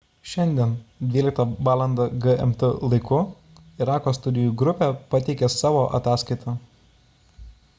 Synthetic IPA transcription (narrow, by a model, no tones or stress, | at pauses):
ʃʲɛnʲd̪ʲiɛnd̪ʲʋʲiːlʲɪk̚t̪ɐʋɑːlˠɐnd̪ɐɡəɛ̰mt̪əlˠɐɪkʊ | ɪɾɑːkoːst̪ʊd̪ʲɪjuːˑɡɾʊpʲeːˑpɐt̪ʲɛɪkʲeːsɑːʋoːʔɐ̰t̪ɑːskɐɪt̪ʰɑː